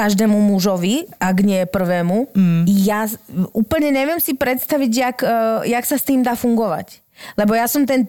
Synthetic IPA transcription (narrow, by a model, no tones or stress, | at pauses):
kaʒd̪ɛːmumuʒɔʋiʔaɡɲɪɛpr̩ʋɛːmujauːpl̩ɲɛɲɛʋɪɛmsipɾɛt̪st̪aʋiɟjakjaksast̪iːmd̪aːfuŋɡɔʋa̰c | lɛbɔjasɔmt̪ɛn